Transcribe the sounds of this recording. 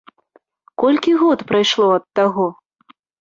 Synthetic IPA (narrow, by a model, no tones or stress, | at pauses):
kɔlʲkʲiɣɔt̪pɾajʂlˠɔɐt̪ːaɣɔ